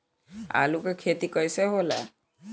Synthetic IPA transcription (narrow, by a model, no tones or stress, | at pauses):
a̰lukekʰet̪ikɔjseɦola̰